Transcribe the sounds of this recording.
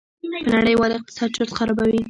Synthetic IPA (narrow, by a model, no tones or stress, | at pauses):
pənaɽəjwɑlɪq̚t̪ɪ̥sɑd̪̚t͡ʃʊɾt̪xaɾɑbawi